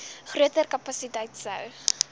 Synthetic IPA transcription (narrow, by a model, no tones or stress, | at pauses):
χruətərkɐpɐsitəjtsə̰w